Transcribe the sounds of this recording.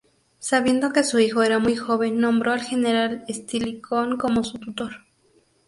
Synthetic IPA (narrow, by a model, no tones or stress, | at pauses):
saβje̞nd̪o̞ke̞suixo̞e̞ɾamujxo̞βe̞nːõmbɾʔo̞alxe̞neɾalest̪ilikʰoŋkomo̞sut̪ut̪o̞ɾ